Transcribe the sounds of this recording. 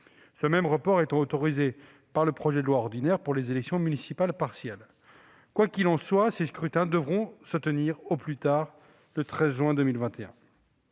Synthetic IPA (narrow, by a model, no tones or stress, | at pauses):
səmɛmʁəpɔʁet̪ɑ̃ot̪ɔʁize | paʁləpχɔʒɛd̪əlwaɔʁd̪inɛʁpuʁlezelɛksjɔ̃mynisipalpaʁsjɛl | kwakʲilɑ̃swaseskχyt̪ɛ̃d̪əvʁɔ̃sət̪əniʁoplyt̪aːʁ | lət̪χɛzʒɥɛ̃d̪əmilvɛ̃t̪eɛ̰̃